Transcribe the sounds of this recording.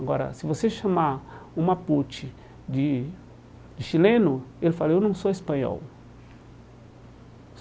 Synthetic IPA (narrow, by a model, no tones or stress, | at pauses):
aɡɔɾɐ̰sɪvoseʃamaũmaput͡ʃi | d͡ʒɪ | d̪ɪʃilẽnʊelfalewnɐ̃w̃soespɐ̃ɲɔ̰w